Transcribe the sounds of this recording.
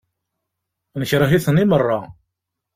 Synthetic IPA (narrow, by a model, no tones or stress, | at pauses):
nəçɾˤəɦiθənːimərˤːɑ